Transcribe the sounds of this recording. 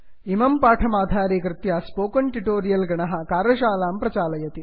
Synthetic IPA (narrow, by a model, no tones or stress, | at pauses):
imɐmpaːʈʰɐmaːd̪ʱaːɾiːkɾɨt̪jaspoːkɐɳʈiʈoːɾijɐlɡɐɳɐɦɐ̆kaːɾɐʃaːlaːmpɾɐt͡ʃaːlɐjɐt̪i